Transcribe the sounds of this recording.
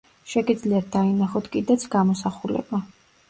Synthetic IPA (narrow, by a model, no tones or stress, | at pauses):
ʃɛɡid̪zliat̪̚d̪ainaχɔt̪ʰkʼid̪at̪sʰɡamɔsaχulɛ̰ba